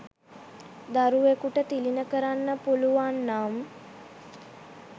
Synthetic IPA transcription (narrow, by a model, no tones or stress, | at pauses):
d̪aɾuʋekuʈət̪ilinəkəɾanːəpuluʋanːam